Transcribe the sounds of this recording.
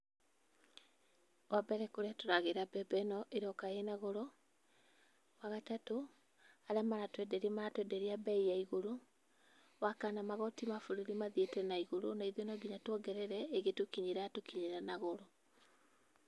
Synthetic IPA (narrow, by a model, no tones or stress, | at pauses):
wabɛɾɛkoɾatoɾaɣeɾabɛbɛnɔʔeɾɔkaenaɣɔɾɔ | waɣatato | aɾɛmaɾatwɛdɛɾiɛmaɾatwɛdɛɾiabɛijaiɣoɾo | wakanamaɣɔtimafoɾoɾimaðietɛnaiɣoɾonaiðonɔɡiɲatwɔɡɛɾɛɾɛeɣetokiɲeɾaatokiɲeɾanaɣoɾɔ